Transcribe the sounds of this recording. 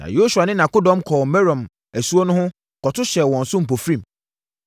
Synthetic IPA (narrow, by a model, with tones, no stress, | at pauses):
nã̰˨jo˦su˨a˨nɪ̃˦nã˨ko˦dɔ̃˦mkʰɔː˨mɛ˦ɾɔ̃˨m | æ˨su˦o˦nʊ̃˦hʊ̃˦˨ | kʰɔ˨tʰʊ˦ɕɛ˨wɔ̃˨n̩sʊ˦m̩˨p̬o˨fɾĩ˦˨m